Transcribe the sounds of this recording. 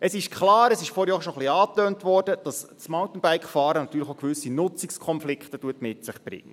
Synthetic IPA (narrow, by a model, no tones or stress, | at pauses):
əsɪʃkʰlɑːɾəsɪʃfɔːɾjɔːʃɔχliɑːtøːntʋɔːrd̥əd̥ɑs | smɔʊt̪ən̩bæɪkχfɑːɾənɑtːyːləχoʊkʋʏsinʊt͡sikskʰɔnflɪkχtətuətmɪtsɪχb̥ɾɪ̰ŋːə